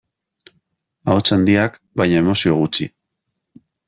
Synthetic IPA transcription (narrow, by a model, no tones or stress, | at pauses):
aot͡sand̪iak | bajɲae̞mo̞sio̞ɣut͡sḭ